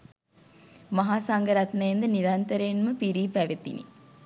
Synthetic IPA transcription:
maɦaːsaŋɡəɾat̪nɐjend̪əniɾant̪əɾenməpiɾiːpæʋet̪ḭnḭ

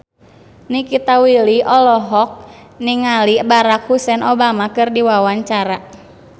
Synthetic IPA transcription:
nikit̪awiliʔɔlɔɦɔk̚ | niŋalibaɾakhusɛnobamakɨrdiwawaɲt͡ʃaɾa

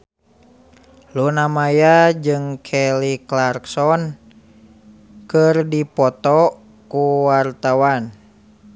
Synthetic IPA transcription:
lunamajad͡ʒɨŋkʰɛliklarksɔn | kɨrdipɔt̪ɔ | kuwart̪awan

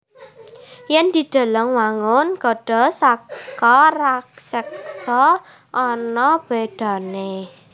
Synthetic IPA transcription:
jɛnd̪̥i̤d̪̥a̤ləŋwaŋʊnɡ̥ɔ̤ɖ̥ɔ̤sakɔraksɛksɔ | ʔɔnɔb̥eɖ̪̥ä̤ne

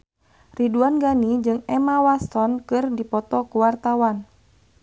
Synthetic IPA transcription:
riduanɡanid͡ʒɨŋɛmawast̪ɔnkɨrdipɔt̪ɔkuwart̪awan

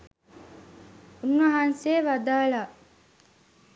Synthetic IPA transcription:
unːʋɐɦanseːʋad̪aːlaː

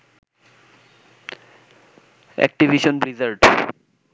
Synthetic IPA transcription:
ɛ̰k̚ʈibʱiʃonbɾizaɾɖ

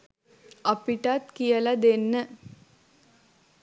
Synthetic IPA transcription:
ɐpiʈat̪kijəlad̪enːə

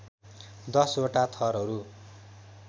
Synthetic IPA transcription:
d̪ʌsoʈat̪ʰʌɾɦʌɾu

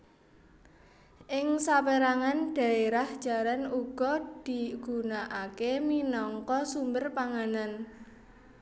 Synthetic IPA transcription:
ʔɪŋsapeɾaŋanɖ̥ä̤eɾahd̥ʒ̥a̤ɾanuɡ̥ɔd̪̥i̤ɡ̥unaʔakeminɔŋkɔsumbərpaŋanan

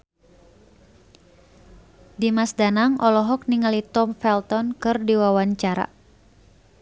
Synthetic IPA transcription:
dimasdanaŋʔɔlɔɦɔk̚niŋalit̪ɔmfɛlt̪ɔnkɨrdiwawaɲt͡ʃaɾa̰

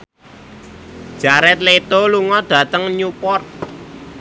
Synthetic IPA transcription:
d̥ʒ̥a̤ɾɛt̪̚let̪oluŋɔd̥ä̤t̪əŋɲupɔrt̪̚

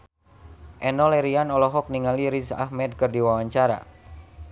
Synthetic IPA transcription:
ʔɛnɔlɛɾianɔlɔɦɔk̚niŋaliɾisa̰hmɛd̚kərdiwawaɲt͡ʃaɾa̰

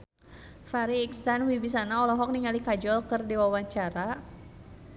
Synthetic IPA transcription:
faɾiːksanwibis̬anaɔlɔɦɔk̚niŋalikad͡ʒɔlkɨrdiwawaɲt͡ʃaɾa

